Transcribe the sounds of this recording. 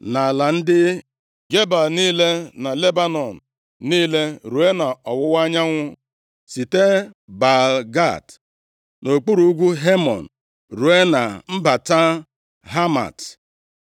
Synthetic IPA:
na˨la˨n̩˦dɪ˦ | ɡe˦ba˨niː˦le˦na˨le˦ba˦nɔ˨n̩˨ | niː˦le˦ɾu˨e˦na˨ɔ˨wʊ˦wa˦ɲa˦ŋʷʊ˦ | si˨te˦ba˨lɡa̰˦˨t | no˨k͡pu˦ɾu˦ɡʷu˦ɦe˦mɔ̰˨n̩˨ | ɾu˨e˦na˨m̩˦ba˨ta˦ | ɦa˦ma̰˨t

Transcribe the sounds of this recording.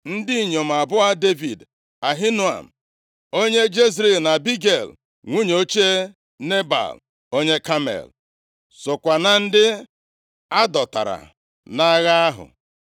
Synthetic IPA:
n̩˦dɪ˦i˨ɲo˨m̩˨a˨bʊ˦a˦de˦vi˨d | a˨ɦi˦nu˦a̰˨m̩˨ | o˦ɲe˦d͡ʒe˦zɾi˨lna˨bi˦ɡe˨l | ŋʷu˦ɲ˨o˦t͡ʃe˦ | ne˦ba̰˨l | o˦ɲe˦ka˦mḛ˨l | so˨kʷa˨na˨n̩˦dɪ˦ | a˦dɔ˨ta̰˨ɾa̰˨ | na˦ɣa˦a˦ɦʊ̰˨

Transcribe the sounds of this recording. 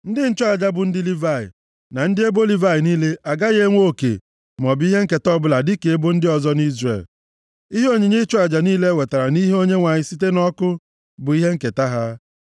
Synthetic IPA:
n̩˦dɪ˦n̩˦t͡ʃɔ˦a˨d͡ʒa˦bʊ˨n̩˦dɪ˦li˦va˦˨ɪ̰˨ | na˨n̩˦dɪ˦e˦bo˦li˦va˦ɪ˨niː˦le˦ʔa˨ɡa˦ɣe˦ŋʷo˦˨kḛ˨ | m˨ɔ˨bɪ˦i˦ɦe˦ŋ̩˦ke˨tɔ˦bʊ˦la˨dɪ˦ke˨e˦bo˦n̩˦dɪ˦ɔ˨zɔ˦n˦i˦zrḛ˨l | i˦ɦo˦ɲe˨ɲe˦t͡ʃɔ˦a˨d͡ʒa˨niː˦le˦˨we˨ta˨ɾa˨ni˦ɦe˦o˦ɲe˦ŋʷa˨ɲɪ˦si˦t̬e˦nɔ˦kʊ˦ | bʊ˨i˦ɦe˦ŋ̩˦ke˨ta˦ɦa˦

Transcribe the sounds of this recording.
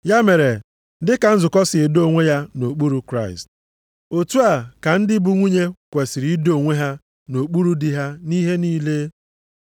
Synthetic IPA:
ja˦me˨ɾe˨ | dɪ˦ka˨n̩˦zʊ˨kɔ˦sɪ˨e˨do˦˨ŋʷe˦ja˦no˨k͡pu˦ɾu˦kɾa˦ɪ̰˨st | o˨tu˦a˨ka˨n̩˦dɪ˦bu˦ŋʷi˦ɲe˦kʷe˨si˨ɾi˦do˨ŋʷe˦ɦa˦ | no˨k͡pu˦ɾu˦di˦ɦa˦ni˦ɦe˦niː˦leː˦

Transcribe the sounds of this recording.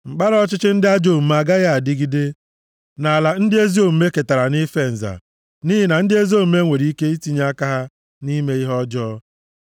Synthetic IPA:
ŋ͡m̩˨k͡pa˦ɾɔ˦t͡ʃɪ˦t͡ʃɪ˦n̩˦dɪ˦a˦d͡ʒo˦˨m̩˨m˨a˨ɡa˦ɣa˦a˨dɪ˦ɡi˦de˦ | na˨a˨la˨n̩˦dɪ˦e˦zi˦o˨m̩˨me˦ke˨ta˨ɾa˨nɪ˦fe˦n̩˨za̰˨ | ni˦ɦɪ˨na˨n̩˦dɪ˦e˦zi˦o˦˨m̩˦me˦ŋʷe˨ɾi˦ke˦i˦ti˦ɲ˦a˦ka˦ɦa˦ | ni˦me˦i˦ɦɔ˦d͡ʒɔː˦

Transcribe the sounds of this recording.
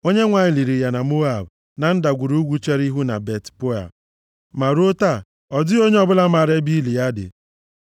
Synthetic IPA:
o˦ɲe˦ŋʷa˨ɲɪ˨li˨ɾi˨ja˨na˨mo˦a˨b | na˨n̩˦da˨ɡʷu˨ɾu˦ɡʷu˦t͡ʃe˦ɾi˦ɦu˦na̰˨be˨tpo˦a̰˨ | ma˨ɾo˦ta˦˨ | ɔ˨dɪ˦o˦ɲe˦ɔ˦˨bʊ˦la˦ma˨ɾe˦bi˦li˨ja˦dɪ̰˨

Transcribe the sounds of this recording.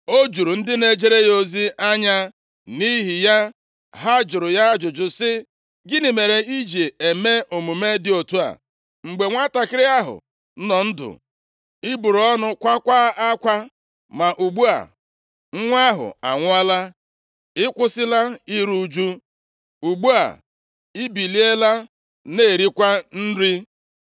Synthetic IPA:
o˦d͡ʒu˨ɾu˨n̩˦dɪ˦ne˨d͡ʒe˦ɾe˦jo˨zi˦ʔa˦ɲa˦ | ni˦ɦi˨ja˦ | ɦa˦d͡ʒʊ˨ɾʊ˨ja˦d͡ʒʊ˨d͡ʒʊ˨sɪ˦ | ɡɪ˦ni˨me˨ɾe˨i˦d͡ʒe˨e˨me˦ʔo˨mu˨me˦dɪ˨o˨tu˦a̰˨ | ŋ͡m̩˨ɡ͡be˨ŋʷa˦ta˨kɪ˦ɾe˦a˦ɦʊ̰˨˦ | nɔ˨n̩˦dʊ̰˨ | ɪ˦bu˨ɾɔ˦nʊ˦kʷa˦kʷa˦a˦kʷa˦ | ma˨ʔu˨ɡ͡bu˦a̰˨ | ŋ̩˦ŋʷ˦a˦ɦʊ̰˨a˨ŋʷʊ˦a˦la˦ | ɪ˦kʷʊ˦sɪ˦la˦i˦ɾu˦d͡ʒu˦ | u˨ɡ͡bu˦a̰˨ | ɪ˦bi˨li˦e˦la˦ | ne˦˨ɾi˦kʷa˦n̩˦ɾi˦

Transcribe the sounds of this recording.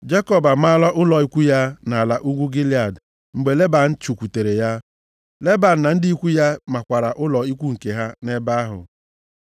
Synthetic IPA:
d͡ʒe˦kɔ˦ba˨ma˦lɔ˦ʔʊ˦lɔ˨i˦kʷu˦ja˦na˨a˨la˨ʔu˦ɡʷu˦ɡi˦li˦a˨d | ŋ͡m̩˨ɡ͡be˨le˦ba˨n̩˦t͡ʃu˨kʷu˨te˨ɾe˨ja˦ | le˦ba˨n̩˨na˨n̩˦dɪ˦i˦kʷu˦ja˦ma˨kʷa˨ɾa˨ʔʊ˦lɔ˨i˦kʷu˦ŋ̩˨ke˨ɦa˦ne˦ba˦a˦ɦʊ̰˨

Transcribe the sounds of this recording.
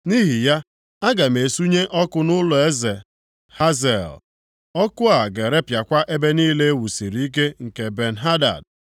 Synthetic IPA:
ni˦ɦi˨ja˦ | a˦ɡa˨m̩˨e˨su˦ɲe˦ʔɔ˦kʊ˦nʊ˦lʊ˨e˦ze˨ | ha˦ze˨l | ɔ˦kʊ˦a˨ɡe˨ɾe˦pja˨kʷa˦ʔe˦be˦niː˦le˦e˦wu˨si˨ɾi˦i˦k̬e˦ŋ̩˨ke˨be˨n̩˨ɦa˦da̰˨d̚

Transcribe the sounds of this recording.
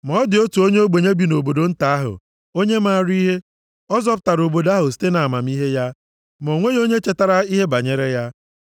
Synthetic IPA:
mɔ˦dɪ˨o˦tu˨o˦ɲe˦o˦ɡ͡be˨ɲe˦bi˨no˨bo˨do˨n̩˦ta˨˦a˦ɦʊ̰˨ | o˦ɲe˦ma˦˨ɾi˦ɦe˦ | ɔ˦zɔ˦pʊ˨ta˨ɾo˨bo˨da˦ɦʊ˨s̬i̥˦te˦na˨a˨ma˨m̩i˦ɦe˦ja˦ | m˨o˨ŋʷe˦jo˦ɲe˦t͡ʃe˨ta˨ɾa˦i˦ɦe˦ba˨ɲe˦ɾe˦ja˦

